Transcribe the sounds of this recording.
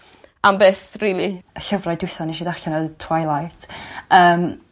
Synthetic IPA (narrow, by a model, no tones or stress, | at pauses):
ʔambeːθriːliəɬəvrajdwɪθaniʃidarxanoðtʰw̥ajlˠajtʰəːm